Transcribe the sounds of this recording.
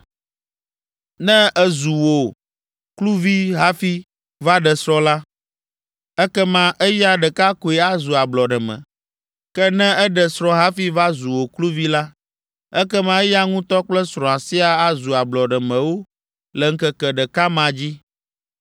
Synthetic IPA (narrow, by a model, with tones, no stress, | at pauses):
nɛ̃˦ɛ˦zu˨wo˨ | klu˦vi˦ɦa˦fi˦ | va˦ɖɛ˨sɾɔ̃˦la˦ | ɛ˦kɛ˦mã˦ʔɛ˦ja˦ɖɛ˨ka˦ko˨e˨a˦zu˨a˨blɔ˨ɖɛ˨mɛ̰̃˨ | kɛ˦nɛ̃˦ɛ˦ɖɛ˨sɾɔ̃˦ɦa˦fi˦va˦zu˨wo˨klu˦vi˦la˦ | ɛ˦kɛ˦mã˦ɛ˦ja˦ŋũ˦t̪ɔ˦k͡plɛ˦sɾɔ̃˨a˨si˦a˨a˦zu˨a˨blɔ˨ɖɛ˨mɛ̃˨wo˦ | lɛ˨ŋ̩˦kɛ˦kɛ˨ɖɛ˨ka˦mã˨d͡ʑi˦